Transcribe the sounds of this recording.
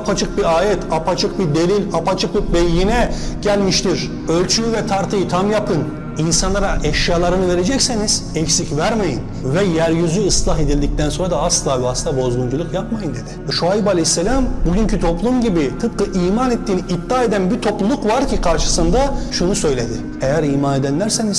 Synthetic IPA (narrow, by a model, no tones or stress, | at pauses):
apʰat͡ʃʰɯk̚biɾaːjɛt̪ʰapat͡ʃʰɯk̚bid̪e̞lʲilʲapat͡ʃʰɯk̚bibɛjːinɛɟ̥ælʲmiʃt̪ʰiɾ̥ | ø̞lʲt͡ʃʰyjyvɛt̪ʰaɾt̪ʰɯjɯt̪ʰamjapʰɯn | insanlˠaɾaʔɛʃjaːlˠaɾɯnɯve̞ɾe̞d͡ʒɛcseniz̥ɛcsicvæɾmejin | vɛjæɾjyzyɯslˠaɦe̞d̪ilʲd̪ic̚t̪ʰænsoɾad̪aaslˠaːbiaslɯnabo̞zɡ̪ˠund͡ʒulˠukjapmajɯnd̪ed̪ɪʃuajibalʲeçsːelʲambuɟyncʰyt̪ʰo̞plˠumɟibit̪ʰɯp̚kɯʔiːmanet̪ːiːniʔːd̪ːaːe̞d̪ænbiɾt̪ʰo̞plˠulˠukvaɾcʰikʰaɾʃɯ̥sɯnd̪aʃunusø̞jlʲe̞d̪ɪ | ejæɾiːmane̞d̪ænlʲæɾse̞niz̥